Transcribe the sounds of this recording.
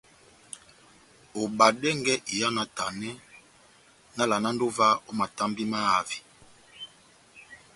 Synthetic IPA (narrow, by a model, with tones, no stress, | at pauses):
o˨ba˨dɛ˦ŋɡɛ˦ʔi˨ja˦na˨ta˨nɛ˦ | na˦la˨na˦ndo˦va˦o˦ma˨ta˦mbi˦ma˦a˨vi̥˨